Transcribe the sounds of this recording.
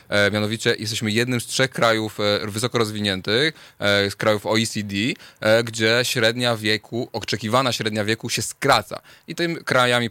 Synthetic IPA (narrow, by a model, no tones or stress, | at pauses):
mʲjanɔvʲit͡ɕɛjʔɛst̪ɛɕmɘjɛd̪nɘmstʂɛxkɾajufvɘsɔkɔɾɔzvʲiɲɛnt̪ɘxskɾajufɔisʲid̪ʲiɡd͡ʑɛɕɾɛd̪ɲavʲjɛkʰuʔɔt͡ʂɛkʲivanaɕɾɛd̪ɲavʲjɛkuɕɛskɾat̪sa̰ | it̪ɘmʲikɾajamʲi